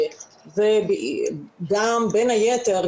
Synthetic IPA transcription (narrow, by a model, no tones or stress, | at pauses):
zeb | ɡambenhajeteʁ